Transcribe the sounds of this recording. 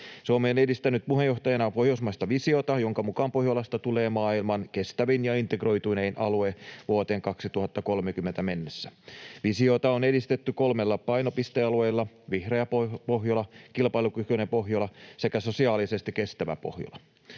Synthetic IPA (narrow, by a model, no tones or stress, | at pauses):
seomːenedist̪ænyt̪̚puɦejo̞ht̪ɑjɑnɑpo̞hjousmɑjst̪ɑʋisio̞t̪ɑjo̞ŋkɑmukɑːmpo̞hjolɑst̪ɑt̪ule̞ːmɑːilmɑnke̞st̪æʋinjɑint̪eɡro̞jt̪uneinʔɑlueʋuot̪e̞ːŋkɑksit̪uhɑt̪ːɑko̞lmek̟ymːe̞nt̪æme̞nːesːæʋisio̞t̪ɑone̞dist̪e̞t̪ːyko̞lme̞lːɑpɑjno̞pist̪eɑlue̞jlːɑ | ʋihreɑpopoɦjolɑkilpɑjlukykønepo̞ɦjolɑse̞kæso̞siɑːlisest̪ike̞st̪æʋæ̰po̰hjo̰lɑ